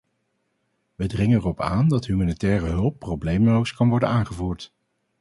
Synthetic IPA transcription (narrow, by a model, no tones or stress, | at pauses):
ʋədrɪŋəɛrɔpaːndɑtɦymaːnitɛːrəɦɵlˠpːrowblejmlowskɑnʋɔɹdənaːnχəvuːɹt